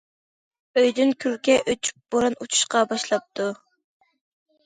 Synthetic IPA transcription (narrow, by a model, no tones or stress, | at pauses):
øjd̪ynkʲʰyɾkʲɛʔøt͡ʃʰy̥p̚b̥oɾɑnut͡ʃʰu̥ʃqɑbɑʃlˠɑp̚t̪ʰu